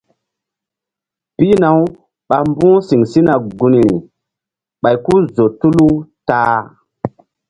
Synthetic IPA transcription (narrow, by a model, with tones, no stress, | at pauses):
pi˦na˨˦w | ɓa˨mbũ˦si˨ŋsi˦na˨ɡu˦ni˨ɾḭ˨ | ɓa˨jku˦zo˨tu˦lu˦taː˦